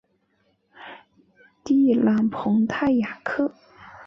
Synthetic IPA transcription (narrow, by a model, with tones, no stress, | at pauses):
t̪i˥˩la˧˥ŋpʰʊ˧˥ŋt̪ʰa˥˩ɪja˨˩kʰɤ˥˩